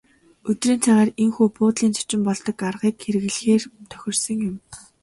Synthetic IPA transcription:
ɵt̪riːnt͡sʰæːʁaːreŋxuːpʊːt̪ɮiːnt͡sʰʊ̥t͡ɕɪ̆mpɔɮt̪ɞ̆karʁiːkxeɾɘ̆ɣɘ̆ɮxeːrt̪ʰœ̥xʲɪ̆rsə̆ŋjʊ̆m

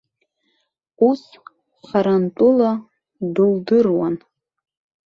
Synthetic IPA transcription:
us | χaɾantʼula | dɨldɨrwa̰n

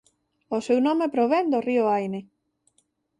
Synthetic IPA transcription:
osewnɔ̃mepɾoβend̪orioajne

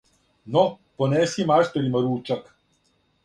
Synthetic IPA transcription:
no | poneːsimaʃt̪elʲimaɾuːt͡ʃak

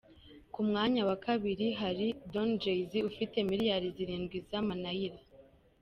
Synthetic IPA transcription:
kumŋaːɲawakʰaβiɾiɦaɾidond͡ʒejziufite̞miɾjaɾiziɾiːnɡɡwizamanajiɾa

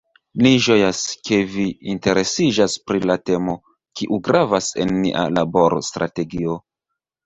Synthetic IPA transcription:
liʒo̞jaskʰe̞viːnte̞ɾe̞sid͡ʒaspɾilate̞mo̞ | kiʔuɡɾavase̞̰nːiʔa̰labo̞ɾo̰stɾʔa̰te̞ɡio̞

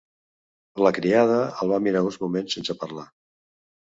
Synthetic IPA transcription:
ləkɾiað̞əəlˠβamiɾaunzmumensensəpəɾla

